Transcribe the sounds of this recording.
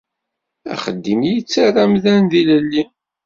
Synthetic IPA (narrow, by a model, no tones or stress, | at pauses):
æ̰χəd̪ːimjit͡sːaræmðænðiləlːi